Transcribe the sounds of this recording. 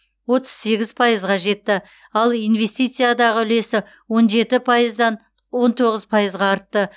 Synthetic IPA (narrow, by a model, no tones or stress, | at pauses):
wo̞t̪ə̥z̥se̞ɡʲɪz̥pʰɑjəzʁɑʒe̞t̪ːɪ | ɑlˠijnve̞st̪ijt̪sɨjad̪ɑʁəʏle̞sɪ | wo̞nʒe̞t̪ɪpʰɑjəzd̪ɑn | wo̞nt̪ʰo̞ʁəzpʰɑjəzʁɑːɾt̪ːə